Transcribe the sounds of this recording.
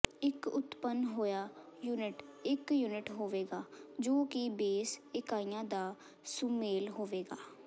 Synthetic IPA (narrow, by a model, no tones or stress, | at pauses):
ɪkʊt̪pənɦoːjaːjuːnɪʈɪkjuːnɪʈɦoːʋeːɡaːd͡ʒoːkɪbeːsɪkaːiːjãːd̪aː | sumeːlɦoːʋeːɡaː